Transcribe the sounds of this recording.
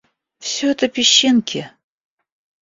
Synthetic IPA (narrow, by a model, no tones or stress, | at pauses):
fsʲoɛt̪əpʲɪɕːenkʲʰe